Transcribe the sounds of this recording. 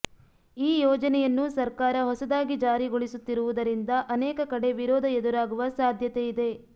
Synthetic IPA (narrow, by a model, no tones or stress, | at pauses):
iːjɔːd͡ʒɐnɛjɐnːusɐɾkaːɾɐɦɔsɐd̪aːɡid͡ʒaːɾiɡoɭisut̪ːiɾuʋud̪ɐɾind̪ɐʔɐnɛːkɐkɐɽe̞ʋiɾɔːd̪ʱɐed̪uɾaːɡuʋɐsaːd̪ʱjɐt̪eid̪e̞